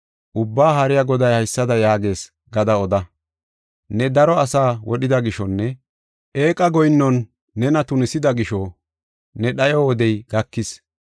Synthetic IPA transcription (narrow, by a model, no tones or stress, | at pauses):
ʔʊbːaːɦɐɾɪjɐɡɔd̪ɐjhɐjsːɐd̪ɐjaːɡe̞ːs | ɡɐd̪ɐɔd̪ɐ | nɛd̪ɐɾɔɐsaːwɔɗɪd̪ɐɡɪʃɔnːɛ | ʔe̞ːkʼɐɡɔjnːɔnː | ɛnɐt̪ʊnɪsɪd̪ɐɡɪʃɔ | nɛɗɐjɔwɔd̪ɛjɡɐkːɪs